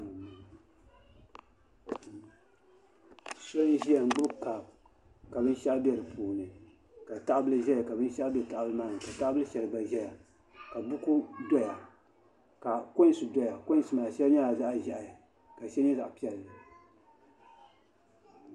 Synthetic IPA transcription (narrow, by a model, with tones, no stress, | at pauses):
so˦n˦ʒi˦ja˨ŋ͡m̩˨ɡ͡bʊ˦ka˨b | ka˨bɨ˦n˦ʃa˦ʔbɛ˦˨ɾɨ˨pʰuː˨nɨ˨ | ka˨ta˦ʔbɨ˦lɨ˦ʒɛ˦ja˨ka˨bɨ˦n˦ʃa˦ʔbɛ˨ta˦˨ʔbɨ˦lɨ˦maː˦nɨ˨ka˨ta˦ʔbɨ˦lɨ˦ʃɛ˨lɨ˨ba˨ʒɛ˦ja˨ | ka˨bʊ˦ku˦dɔ˦ja˨ | ka˨kʊ˦n˦˨sɨ˨dɔ˦ja˨kʊ˦n˨sɨ˨maː˨ʃɛ˦lɲa˦a˨za˦ʔʒɛ˨ʔa˨ja˨ | ka˨ʃɛ˦ɛ˦za˨ʔpi˦ɛ˨lːɨ˨